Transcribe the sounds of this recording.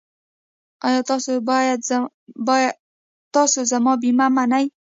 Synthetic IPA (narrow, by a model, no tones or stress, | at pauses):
ɑjɑt̪sojad̪ | bj | t̪ɑsozamɑbimamanaj